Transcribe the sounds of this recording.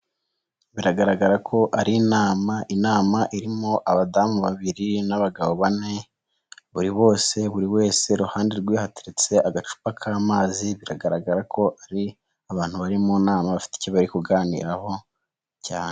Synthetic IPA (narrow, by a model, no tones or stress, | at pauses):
βiɾaɡaɾaɡaɾakʰo̞ʔaɾinaːmaʔinaːmaʔiɾimoʔaβadamuβaβiɾinaβaɡaβo̞βane̞ | βuɾiβo̞ːse̞βuɾiwe̞ːse̞ɾuhaːndeɾɡwiːhati̥ɾit͡se̞ʔaɡat͡ʃu̥pakʰaːmaːziβiɾaɡaɾaɡaɾakʰo̞aɾi | aβaːn̥huβaɾimonaːmaβafi̥ti̥coβaɾikuɡaːnḭɾaho̞ | caːne